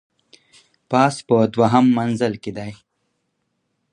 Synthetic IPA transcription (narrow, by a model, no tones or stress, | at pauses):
paːspəd̪waɦamːanzəlkid̪aj